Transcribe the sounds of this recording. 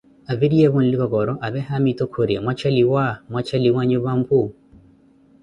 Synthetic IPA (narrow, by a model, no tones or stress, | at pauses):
aviɾiɛβun̩likɔɡɔɾɔʔaβɛɦamitokʰoɾemwat͡ʃaliwamwat͡ʃaliwaɲoβampu